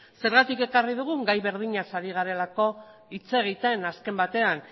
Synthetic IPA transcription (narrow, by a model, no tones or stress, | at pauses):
se̞ɾɣat̪ike̞kariðuɣ̞uŋɡajβe̞ɾðiɲasaɾiɣ̞aɾe̞lako̞ | it͡se̞ɣ̞it̪enaske̞mbat̪e̞an